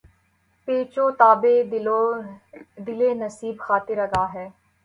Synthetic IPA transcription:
peːt͡ʃoːt̪aːbeːd̪o | d̪ɪleːnəsiːbxaːt̪ɪɾəɡaːɦɛː

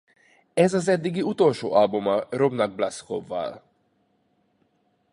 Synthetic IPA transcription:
ɛzɒzɛd̪ːiɡiut̪o̞lʃo̰ːʔɒlbumɒrobnɒɡ̚blɑsko̰vːɒ̰l

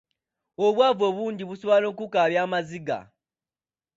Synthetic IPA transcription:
oβwaːvoβuːnɟiβuswalo̞kukaβjaːmaziɡa̰

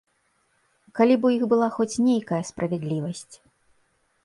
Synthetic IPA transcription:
kalʲibujixbɨlˠaxɔt͡sʲnʲejkɐjɐspɾʔɐvʲɛd̪lʲivɐsʲt͡sʲ

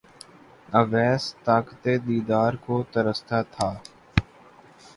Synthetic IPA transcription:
əʋɛːst̪aːkət̪eːd̪iːd̪aːɾkoːt̪əɾəst̪ʰaːt̪ʰaː

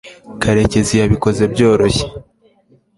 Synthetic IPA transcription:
kaɾe̞ce̞zijaβiko̞ze̞bɟo̞ːɾo̞çe̥

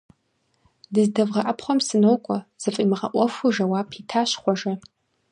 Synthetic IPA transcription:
dɨzdɐvʁɐʔɐpʰχʷɔmsɨnowkʷʼɔz̥ɨfʼimɨʁɐ̰ʔʷɔfʷʊʒɐwapʰitʰaːɕχʷɔʒɐ

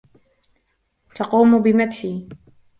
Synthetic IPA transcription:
t̪ɑquːmbɪmad̪ħiː

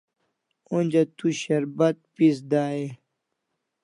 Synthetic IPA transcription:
õnʲd͡ʑɐt̪uɕɐɾbɐt̪̚pis̬d̪aːe

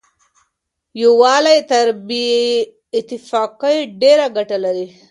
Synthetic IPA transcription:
jowɑlajt̪aɾbi | ɪt̪ːɪfɑqəjɖeɾaɡaʈalaɾi

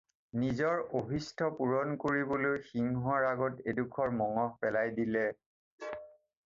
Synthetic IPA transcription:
nizɔɹobʱistʰɔpuɹɔnkoɹibolojxiŋɦuaɹaɡɔtedukʰɔɹmɔŋɔhpɛlajdilɛ

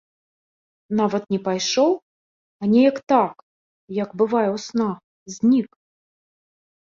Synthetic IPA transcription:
navɐt̪nʲɛpajʂɔw | anʲɛjɐkt̪ak | jɐɡbɨvajɛwsna | zʲnʲik

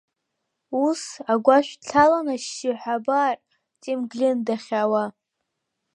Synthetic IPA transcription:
usaɡʷaʃʷᶣɬʰalanaʃiħʷabaːrʼ | t͡sʼimɡlʲɪndaχʲawa

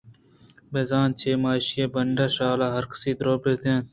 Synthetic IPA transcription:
beːzaːnt͡ʃʰeːmaːʃijeːbəɳɖaːʃaːlaːɦəɾkə̥siːd̪ɾoːpeːt̪ʰãːn

